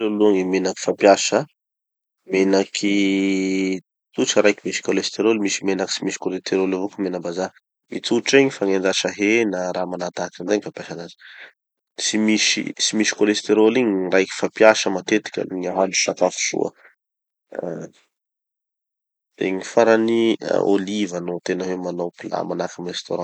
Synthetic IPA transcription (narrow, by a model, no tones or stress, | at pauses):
aluaŋimenaki̥fapjasə | menakʰi | t͡suʈ͡ʂəɾajkimisi̥kolest̪eɾolmisimenaki̥simisi̥kolest̪ʰeɾolavokumenəbaza | mit͡suʈ͡ʂiɲifaŋenɖ͡ʐaʃaɦenəɾamanat̪ak̪inɖ͡ʐaɲifapjaʃanazi̥ | simiʃḭsimiʃi̥kolest̪eɾoliɲirajki̥fapjaʃəmat̪et̪i̥kʲə̰ɲaɦaniʃak̪afu̥sṵə̰ | eɲifaɾanḭolivanot̪enawemanawpila̰manakamrest̪oɾã